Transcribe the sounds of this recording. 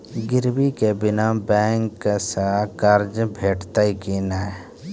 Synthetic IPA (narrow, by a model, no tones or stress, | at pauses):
ɡɪɾbikebɪnabɛːŋkːesakaɾd͡ʒbʱeːʈʰt̪aikina